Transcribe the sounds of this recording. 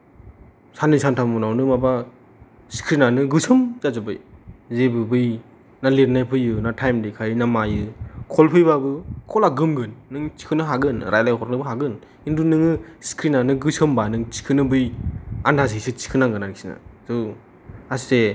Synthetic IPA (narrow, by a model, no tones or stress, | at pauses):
sʰanisantʰamɔnawnɯmaba | si̥kʰɾinanɯɡɯsɯmzazɯbɯjzebɯbɯj | naliɾnajpʰɯjɯnatʰajmdikʰaɾinamajɯkʰɔlpʰɯjbabɯkʰɔlaɡɯmɡɯnːɯŋt͡ʃi̥kʰɯnɯɦaɡɯnɾajlajkʰɔɾnɯbɯɦaɡɯn | indunɯŋɯsi̥kʰɾinanɯɡɯsɯmbanɯŋt͡ʃi̥kʰɯnɯbɯjandas̬isʰɯt͡ʃi̥kʰɯnaŋɡɯnaɾksina̰zɯ | ase